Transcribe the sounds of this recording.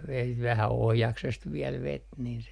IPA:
ʋet ʋæhæ ohjɑksest ʋiɛl ʋet nin se meŋ

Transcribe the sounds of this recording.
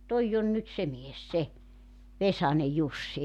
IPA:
toijː on nyt se mies se ʋesɑne jusːi

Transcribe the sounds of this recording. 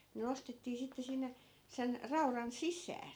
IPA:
ne nostetːiː sitːe sinːe sen rɑurɑn sisˑæː

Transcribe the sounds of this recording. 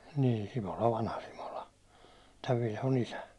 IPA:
niː simolɑ ʋɑnhɑ simolɑ tæʋ ʋilhon isæ

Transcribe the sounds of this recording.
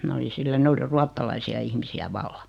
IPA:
mæ oli silːæ ne oli ruɑtːɑlɑisiɑ ihmisiæ ʋɑlːɑ

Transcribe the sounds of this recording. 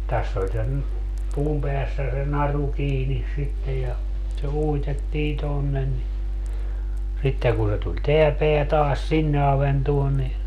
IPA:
tæsː olʲ sen puːm peæsːæ se nɑru kiːnis sitːej jɑ se uitetːiː tonːen ni sitːeŋ kun se tulʲ teæ peæ tɑːs sinːe ɑʋentuon ni

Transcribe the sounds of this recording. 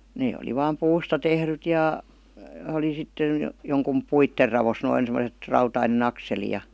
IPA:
neː oli ʋɑːm puːstɑ tehryt jɑˑ oli sitːen̞ joŋkum puitːer rɑʋos noin semə̆set rɑutɑinen ɑkseli jɑ

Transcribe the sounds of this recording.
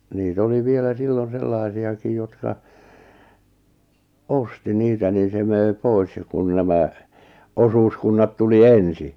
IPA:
niːt oli ʋielæ silːon̞ selːɑˑĭsiɑkij jotkɑ osti niːtæ nin̞ se møˑi̞ pois jɑ kun næmæ osuːskunːɑt tuli ensi

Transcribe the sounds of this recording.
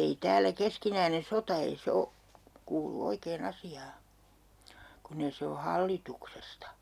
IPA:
ei tæːlæ keskinæine sotɑ ei se o kuːlu oikeːn ɑsiɑː kunː eĭ se o hɑlːituksestɑ

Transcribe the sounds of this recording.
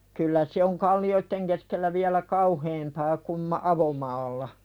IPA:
kylːæ se oŋ kɑlːioitːeŋ keskelːæ ʋiælæ kɑuheːmpɑː kum mɑ ɑʋomɑːlːɑ

